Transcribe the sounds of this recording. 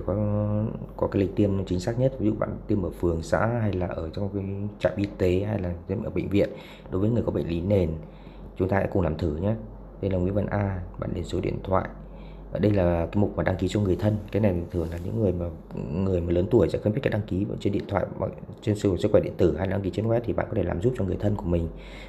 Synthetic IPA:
kɔ˨˦ | kɔ˨˦kaː˨˦jli˨˩k̚t̪i˧əm˨˦t͡ɕï˨˦ŋ̟saː˦˥k̚ɲə˦˥t̚vi˨˦zṵ˧˨ɓa̰ː˧˨nt̪i˧əmʔəː˧˩fɨ˨˩əŋsa̰ː˧˥ɦa˧jlaː˨˩ʔəː˧˩t͡ɕɔ˧wŋ͡mkaː˨˦jt͡ɕa̰ː˧˨mʔi˧t̪e˨˦ɦa˧jlaː˨˩˧ʔə̰ː˧˩ɓə̰˧˨ŋ̟vḭ˧˨ən | ɗo˨˦jvəː˨˦ŋɨ˨˩əjkɔ˨˦ɓ̰ŋ̟li˨˦ne˨˩n | t͡ɕʊ˨˦ŋ͡mt̪aː˧ɛ̰˧˥kʊ˨˩ŋ͡mŋlaː˨˩mt̪ʰɨ˧˩ɲaː˨˦ | ɗə˧jlaː˨˩ŋwḭ˧˥˦və˧˩nʔaː˧ɓa̰ː˧˨nɗe˨˦nso˨˦ɗḭ˧ənt̪ʰwa̰ː˧˨jʔ | aː˨˩ɗə˧jlaː˨˩kaː˨˦jmʊ˨˩k͡p̚maː˨˩ɗa˧ŋki˨˦t͡ɕɔ˧ŋɨ˨˩əjt̪ʰə˧nkaː˨˦jna˨jt̪ʰi˨˩t̪ʰɨ˧˩əŋlaː˨˩ɲɨ̰˧˥ŋːɨ˨˩əjmaː˨˩ | ŋɨ˨˩əjmaː˨˩ləː˨˦nt̪u˧˩əjsɛ̰˧˥xə˧mi˦˥t̚ka˦˥k̚ɗa˧ŋki˨˦˧t͡ɕe˧nɗḭ˧˨ənt̪ʰwa̰ː˧˨j̰ | t͡ɕe˧nssɨ˦˥kxwɛ˧˩ɗḭ˧˨ənt̪ɨ˧˩ha˧jlaː˨˩a˧ŋki˨˦t͡ɕə˧nxwɛ˦˥t̪ʰi˨˩ɓa̰ː˧˨nkɔ˨˦t̪ʰlaː˨mzu˦˥p̚t͡ɕɔ˧ŋɨ˨˩əjt̪ʰə˧nku˧˩əmï˨˩ŋ̟

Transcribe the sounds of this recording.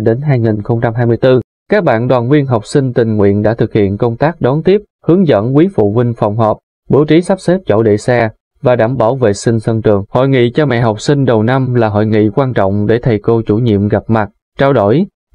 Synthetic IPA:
ɗe˨˦nɦaː˧jŋi˨˩nxə˧wŋ͡mt͡ɕa˧mɦaː˧jmɨ˧əjt̪ɨ˧ | kaː˦˥k̚ɓa̰ː˧˨nɗwaː˨˩nwi˧ənɦa˨˩wk͡p̚si˧ŋ̟t̪ï˨˩ŋ̟ŋwḭ˧˨ənɗa̰ː˧˥t̪ʰɨ˨˩k̚hḭ˧˨ənkə˧wŋ͡mt̪aː˦˥k̚ɗɔ˨˦nt̪i˦˥əp̚hɨ˨˦əŋzə̰˧˥nkwi˨˦fṵ˧˨vï˧ŋ̟fa˨˩wŋ͡mɦɔː˨˩p̚ | ɓu˨˦wt͡ɕi˨˦sa˦˥p̚se˦˥p̚t͡ɕo̰˧˩ɗḛ˧˨sɛ˧ | vaː˨˩ɗaː˧˩mɓaː˧˩wvḛ˧˨sï˧ŋ̟sə˧ŋt͡ɕɨ˨˩əŋho̰˧˨jŋḭ˧˨t͡ɕɔ˧ma̰˧˨jɦa˨˩wk͡p̚sï˧ŋ̟ɗə˨˩wna˧mlaː˨˩ɦo̰˧˨jŋḭ˧˨kwaː˧nt͡ɕɔ̰˧˨wŋ͡mɗe˧˩t̪ʰə˨˩jko˧t͡ɕu˧˩ɲḭ˧˨əmɣa˨˩p̚ma˨˩t̚ | t͡ɕaː˧wɗo˧˩˨j

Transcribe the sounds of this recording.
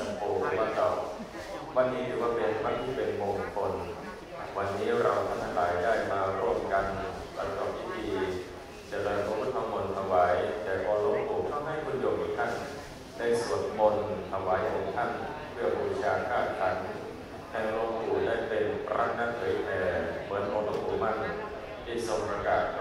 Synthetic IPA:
np̪uː˨˩k̚maː˧˩t̪ɔ˨˩w̚ | wa˧nːiː˦˥t̪ʰɯː˩˦waː˥˩pe˧nmaː˥˩t̪ʰiː˥˩pe˧nmoː˧ŋkʰo˧n | wa˧nːiː˦˥ɾa˧wt̪ʰa˧˥˩t̪ʰa˧ŋlaː˩˦jdaː˥˩jmaː˧ɾu˥˩əmka˧n | ba˧˩kɔ˨˩p̚t̪ʰiː˥˩t̪ʰiː˧ | t̪ɛː˨˩lɤː˧nkʰɔː˧˦kʰaː˥˩t̪ʰa˧mːo˧nt̪ʰa˧waː˨˦jt̪ɛː˨˩kɔː˧lo˧˥˩t̪uː˨˩k̚t̪ʰa˥˩wɦa˥˩jkʰo˧njo˨˩k̚kʰi˨˦t̪ʰa˥˩n | da˧˩jsu˨˩ət̪̚mo˧nt̪ʰa˧waː˨˦jkʰɔː˨˩˦ŋt̪ʰa˥˩npʰɯ˥˩ɐbɔː˧ɾi˥t͡ɕʰaː˧kʰaː˥˩t̪̚kʰa˨˦n | t̪ʰɛː˧ŋlo˧ŋpuː˨˩daː˥˩jpe˧nɾa̰ː˧˥˩ŋ̚naː˦˥˩p̪ʰɤ˨˩˦jp̪ʰɛː˧˩mɯ˩˦ənmɔː˧pa˧ŋt̪uː˨˩k̚ma˥˩n | t̪ʰiː˥˩so˨˩ŋpɾa˧kaː˨˩t̪̚

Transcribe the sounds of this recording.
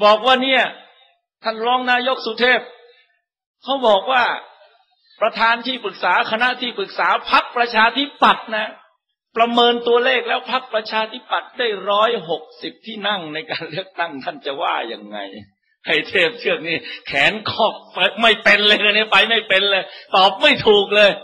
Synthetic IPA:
bɔː˨˩k̚waː˥˩ni˥˩ɐ | t̪ʰa˥˩nɾɔː˦˥ŋnaː˧jo˦˥k̚su˧˦t̪ʰeː˥˩p̚ | kʰa˦˥wbɔː˨˩k̚waː˥˩ | pɾa˧t̪ʰaː˧nt̪ʰiː˥˩pɯ˨˩k̚saː˩˦kʰa˧na˦˥ʔt̪ʰiː˥˩pɯ˨˩k̚saː˩˦pʰa˦˥k̚pɾa˧t͡ɕʰaː˧t̪ʰi˦˥pa˨˩t̪̚na˦˥ | pɾa˧mɤː˧nt̪u˧ɐleː˥˩k̚lɛː˦˥wpʰa˦˥k̚pɾa˧t͡ɕʰaː˧t̪ʰi˦˥pa˨˩t̪̚daː˥˩jɾɔː˦˥jɦo˨˩k̚si˨˩p̚t̪ʰiː˥˩na˥˩ŋna˧jkaː˧nlɯ˥˩ək̚t̪a˥˩ŋt̪ʰa˥˩nt͡ɕa˨˩wa̰ː˥˩ja̰˧ŋːa̰˧j | ha˥˩jt̪ʰeː˥˩p̚t̪ʰɯ˥˩ək̚niː˥˩kʰɛː˩˦nkʰɔː˥˩k̚pa˧ma˥˩jpe˧nlːka˧ni˥˩pa˧jma˥˩jpe˧nlɤː˧jt̪ɔː˨˩p̚ma˥˩jt̪ʰuː˨˩k̚lɤː˧j

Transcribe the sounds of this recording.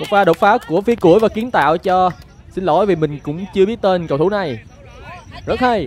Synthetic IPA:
mo˨˩k̚ɓaː˧ɗo˨˩t̚faː˨˦˥ku˧˩əfi˨˦ku˧˩əjvaː˨˩ki˨˦ənt̪a̰ː˧˨wt͡ɕɔ˧ | si˧nlo̰˧˨˩jvi˨˩mï˨˩ŋ̟kʊ̰˧˥ŋ͡mt͡ɕɨ˧əɓi˦˥ət̚t̪e˧nkə˨˩wt̪ʰna˨˩j | zə˦˥t̚hə˧j

